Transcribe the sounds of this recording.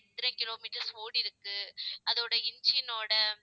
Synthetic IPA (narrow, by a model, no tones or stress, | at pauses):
t̪ɪɾɐkɪloːmiːʈːɐɾsoːɽiɪɾɯkːɯɐðoːɽɐɪɲd͡ʒɪnoːɽɐ